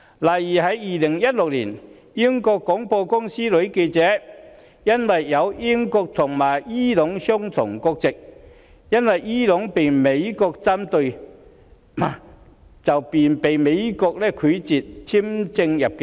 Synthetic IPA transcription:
laː˨˩jjiː˨˩ɦɐ˨˥jːiː˨˩lɪ˨˩ŋjɐ˥t̚lʊ˨k̚lḭː˨˩n | ji˥ŋkɔː˧kːɔː˨˥ŋpɔː˧kʊ˥ŋsiː˥lɵ˨˥ɥke˧jt͡sɛː˨˥ | jɐ˥nwɐ˨jːɐ˨˧wji˥ŋkɔː˧k̚t̪ʰʊ˨˩ŋmaː˨˩jiː˥lʊ˨˥ŋsʊ˥ŋt͡sʰʊ̰˨˩ŋkɔ˧k̚t͡sɪ˨k̚ | jɐ˥nwɐ˨jiː˥lʊ˨˥ŋpe˨jme˨˧jkɔː˧k̚t͡sa˥mt̪ɵ˧ɥ | a˨˩ | t͡sɐ˨wpiː˨npe˨jme˨˧jkɔː˧k̚lɛː˥kʰy˨˥t͡siː˨t̚t͡sʰi˥mt͡sɪ˧ŋjɐ˨p̚kɛ˧

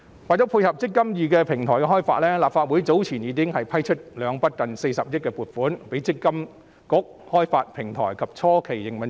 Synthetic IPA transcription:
waː˨jtt͡sɔː˨˥wpʰuː˧jhɐ˨p̚t͡sɪ˥kːɐ˥mjiː˨˩k̬ɛː˧pʰɪ˨˩ŋt̪ʰɔː˨˩jkɛ˧ɦɔː˥jfa̰ː˧t̚lɛː˥laː˨p̚faː˧t̚wu˨˥jt͡so˨˥wt͡sʰiː˨˩njiː˨˧kɪ˥ŋhɐ˨jpʰɐ˥jt͡ʃʰɵ˥t̚lœː˨˧ŋpɐ˥t̚kɐ˨nse˧jsɐ˨p̚jɪ˥t̚kɛː˧puː˨˩t̚fuː˨˥npe˨˥jt͡sɪ˥kːɐ˥m | kʊ˨˥k̚hɔː˥jfaː˧t̚pʰɪ˨˩ŋt̪ʰɔ̰ː˨˩jkʰɐ˨p̚t͡sʰɔː˥kʰe˨˩jːɪ˨˩ŋmɐ˨n

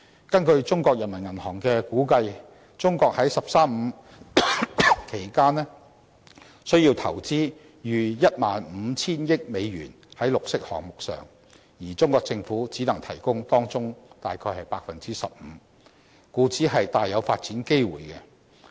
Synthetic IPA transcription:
kɐ˥nkɵ˧ɥt͡sʊ˥ŋkɔː˧k̚jɐ˨˩nmɐ˨˩nŋɐ˨˩nhɔː˨˩ŋkɛː˧kuː˨˥kɐ˧j | t͡sʊ˥ŋkɔː˧k̚hɐ˨˥jsɐ˨p̚saː˥mm̩˨˧ | kʰe˨˩jkaː˥nɛ˥ | sɵ˥ɥjiː˧wt̪ʰɐ˨˩wt͡siː˥ | jyː˨˧jɐ˥t̚maː˨nm̩ː˨˧t͡sʰiː˥njɪ˥k̚me˨˧jɥy̰ː˨˩n | hɐ˨˥jlʊ˨k̚sɪ˥k̚hɔ̰ː˨˩ŋmʊ˨k̚sœ̰ː˨˩ŋ | jiː˨˩t͡sʊ˥ŋkɔː˧k̚t͡sɪ˧ŋfuː˨˥t͡siː˨˥nɐ˨˩ŋt̪ʰɐ˨˩jkʊ˥ŋt̪ɔː˥ŋt͡sʊ˥ŋt̪aː˨jkʰɔː˧jhɐ˨jpaː˧k̚fɐ˨nt͡siː˥sɐ˨p̚m̩ː˨˧ | kuː˨˧˥t͡siː˨˥ɦɐ˨jt̪aː˨jːɐ˨˧wfaː˧t̚t͡siː˨˥nke˥jwṵː˨jkɛ˧

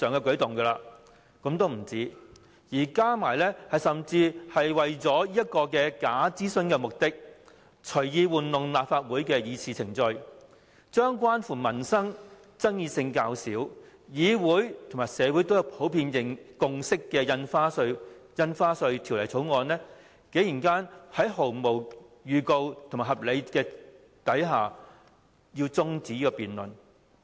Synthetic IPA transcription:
sœː˨˩ŋkɛː˧kɵ˨˥ɥt̪ʊ˨ŋɡɛː˧laː˧ | kɔ˨˥mt̪o˥wm̩˨˩t͡siː˥ | jiː˨˩kaː˥maː˨˩jlɛː˥hɐ˨jsɐ˨mt͡siː˧hɐ˨jwɐ˨jt͡sɔː˨˥jiː˥jɐ˥t̚kɔː˧kɛː˧kaː˨˥t͡siː˥sɵ˧˥nkɛː˧mʊ˨k̚t̪ɪ˥k̚ | t͡ʃʰɵ˨˩ɥjiː˨˧wuː˨nlʊ˨ŋlaː˨p̚faː˧t̚wuː˨˥jkɛː˧jiː˨˧t͡sʰiː˨t͡sʰɪ˨˩ŋt͡sɵ˧ɥ | t͡ʃœː˥ŋkwaː˥nfuː˨˩mɐ˨˩nsɐ˥ŋ | t͡sɐ˥ŋjiː˧sɪ˧ŋkaː˧wsiː˨˥wjiː˨˧wuː˨˥jt̪ʰo˨˩ŋmaː˨˩jsɛː˨˧wu˨˥jt̪o˥wjwpʰo˨˥wpʰiː˧njɪ˨ŋkʊ˨˧ŋsɪ˥kːɛː˧jɐ˧nfaː˥sɵ˧ɥjɐ˧nfaː˥sɵ˧ɥt̪ʰi˨˩wlɐ˨˩jt͡sʰo˨˥wŋɔː˨˧nɛː˥ | ke˨˥jiː˨˩nkaː˥nhɐ˨˥jɦo˨˩wmo˨˩wjyː˨˧ko˧wt̪ʰma˨˩ɦɐ˨p̚le˨˧kɛː˧ | t̪ɐ˨˥jɦaː˨ | jiː˧wt͡sʊ˥ŋt͡siː˨˥i˥kɔ˧piː˨nlɵ̰˨n

